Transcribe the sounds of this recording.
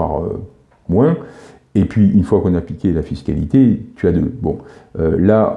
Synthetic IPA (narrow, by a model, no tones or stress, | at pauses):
a̰ʁø̰ | mwɛ̃ | epɥiynfwakɔ̃naːplikʲelafiskʲalḭt̪et̪yad̪øbɔ̃øla